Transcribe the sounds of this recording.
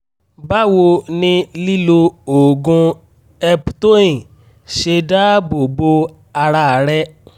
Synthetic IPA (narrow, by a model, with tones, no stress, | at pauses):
ba˦wo˧nĩ˧li˦lo˧o˨ɡũ˧ | ɛ˧pto˦ĩ˨ | ʃe˧da˦bo˨bo˧ | a˧ɾa˧˨ɾɛ˦